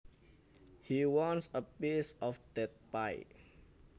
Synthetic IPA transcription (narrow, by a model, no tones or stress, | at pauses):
hiwɔ̃nsəpisɔfd̥ɛt̪̚paj